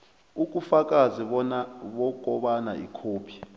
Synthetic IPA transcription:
uk̬ʼufak̬ʼaziɓɔnaɓɔk̬ʼɔɓana̰ḭkʰoːpʰi̥

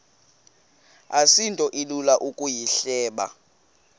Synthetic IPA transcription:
asintʼɔʔilulaʔukʼujiɬɛːɓa̰

